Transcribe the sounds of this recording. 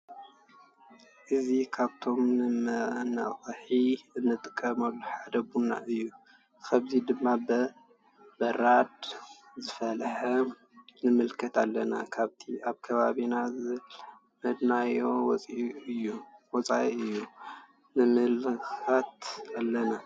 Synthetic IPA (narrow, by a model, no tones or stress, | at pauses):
ʔɨzikʰaβt̪ʰo̞mnɨmɐnɐ̰χʼħiɨnːɨt̪ʼɨkʼːɐmɐlːuħad̪ɐbunːa̰ʔɨjːu | kʰɐβzid̪ɨmːabɐ | bɐɾad̪ | zɨfɐlħɐ | nɨmɨlkʰɐt̪alːɐnakʰaβt̪ʰiaβkʰɐβaβinazɨβɨl | mɐd̪najo̞wɔt͡sʼɨjːuwɔt͡sʼaiɨjːu | nɨmɨlxat̪alːɐna